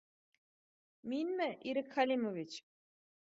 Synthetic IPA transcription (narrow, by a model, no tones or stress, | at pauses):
minmɛʔiɾikʰalʲimovit͡ʃ